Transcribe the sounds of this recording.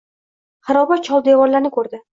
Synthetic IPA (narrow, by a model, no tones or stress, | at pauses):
χɨɾɒbat͡ʃʰɒlˠd̪evɒɾlaɾnɪkʰɵɾd̪ɪ